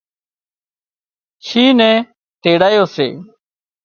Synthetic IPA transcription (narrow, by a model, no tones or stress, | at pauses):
t͡ʃʰiːnɛ̃ː | ʈ̪eːɽaːjoːsḛː